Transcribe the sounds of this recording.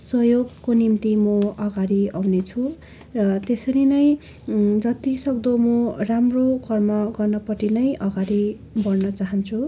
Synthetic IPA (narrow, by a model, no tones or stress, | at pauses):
sʌjoɡkonimt̪imʌʌɡaɾiawnet͡sʰu | rʌt̪esʌɾinʌj̃ | d͡zʌt̪isʌkd̪omʌramrokʌrmʌɡʌrnʌpʌʈinʌjʔʌɡaɾi | bʌrnʌt͡saɦʌnt͡sʰu